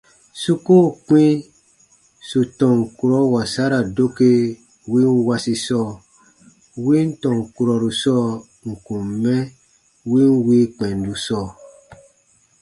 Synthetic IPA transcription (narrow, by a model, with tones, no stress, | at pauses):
su˦ko˦˨k͡pĩ˦ | su˨tɔ̃˨ŋ˨ku˨ɾɔ˨˦wa˨sa˦ɾa˨do˦ke˦ | wi˦n˦wa˧si˧sɔː˦˨ | wi˦n̩˦tɔ̃˨ŋ˨ku˨ɾɔ˨ɾu˨sɔ˦˨ | ŋ̩˨kũ˨mmɛ̃˦ | wi˦n˦wi˦k͡pɛ̃˨n˨du˨sɔː˦˨